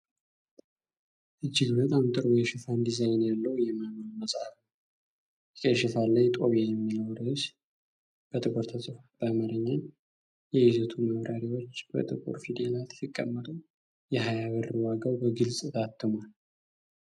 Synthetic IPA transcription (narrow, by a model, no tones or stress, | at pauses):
ʔɨd͡ʒːɪɡbət̪ʼamt̪ʼɨɾwjeʃɪfand̪izajnjalːəwjɛmanalməsʼaf | kʼeʃɪfalajt̪ʼoβejɛmːinəwɾəs | b̥ət̪ʰʼɨkʼoɾt̪ʰəsʼɨfab̥amaɾəɲːan | jɛizət̪ʰuməβɾʔaɾiwo̞t͡ʃːb̥ə̰t̪ʼɨkʼo̰ɾfid̪elat̪fɨkʼːə̰mːət̪ʼɨn | jɛɦajaβɨɾɨwaɡawbəɡɨlsʼɨt̪at̪ʰːɨmal